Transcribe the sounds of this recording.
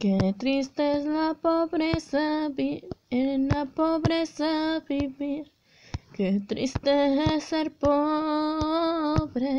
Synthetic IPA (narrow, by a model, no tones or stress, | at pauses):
ket̪ɾist̪eslapobɾesabienapobɾesabibi | ket̪ɾḭst̪esɐɾpo | bɾe